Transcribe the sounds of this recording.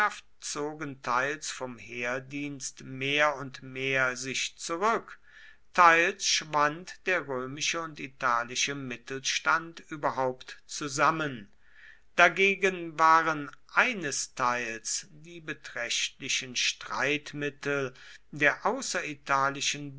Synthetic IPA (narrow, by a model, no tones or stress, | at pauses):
aftt͡soːɡəntʰaɪlsfɔmheːɐdiːnstmeːɐʊntmeːɐzɪʃt͡suʁʏk | tʰaɪlsʃv̥antd̥eːɐʁøːmɪʃəʊntitʰaːlɪʃəmɪtl̩ʃtantʔyːbɐɦaʊptt͡suzamən | d̥aɡeːɡənvaːʁənʔaɪnəstʰaɪlsdiːbətʁ̥ɛʃtlɪʃənʃtʁ̥a̰ɪtmɪtl̩deːɐʔaʊsɐitʰaːlɪʃən